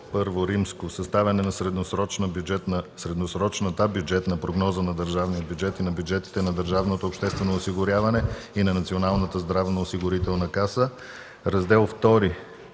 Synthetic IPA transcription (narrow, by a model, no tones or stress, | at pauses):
pɤɾvoɾimskosɐst̪avʲɛnɛnɐsɾɛd̪nosɾɔt͡ʃnəbd͡ʒɛt̪nsɾɛd̪nosɾɔt͡ʃnət̪abjud͡ʒɛt̪nɐpɾoɡnɔzənɐd̪əɾʒavnijəbʲjʊd͡ʒɛt̪inɐbʲjud͡ʒɛt̪i̥t̪ɛnɐd̪əɾʒavnot̪oːpʃt̪ɛst̪vɛnoːsiɡʊɾjavɐnɛinɐnɐt̪sionalˠnət̪əzd̪ɾavnəosiɡʊɾit̪ɛlˠnəkasə | ɾɐzd̪ɛlˠft̪ɔɾi